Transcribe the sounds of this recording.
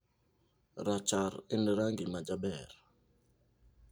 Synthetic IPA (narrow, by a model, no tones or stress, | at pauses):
ɾat͡ʃaɾɪnɾaŋɡimad͡ʒabɛɾ